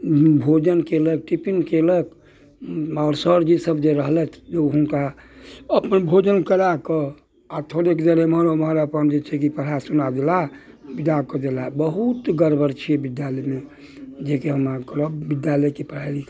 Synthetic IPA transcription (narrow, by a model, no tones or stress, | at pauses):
bʱod͡ʒənkeləɡ̚ʈipiŋkeləɡ | ɔːɾsəɾd͡ʒisəbd͡ʒeɾəɦlɛt̪ʰd͡ʒəɦunka | əpənbʱod͡ʒənkəɾakə | at̪ʰoɾeked̪əɾemɦɾoməɦɾəpənd͡ʒet͡ʃʰɛkipəɾ̤asunad̪ela | bid̪akəd̪elabəɦut̪ɡəɾbəɾt͡ʃʰiebid̪jalɛme | d͡ʒekeɦəmakɾəbid̪jaləkipɾ̤aɾik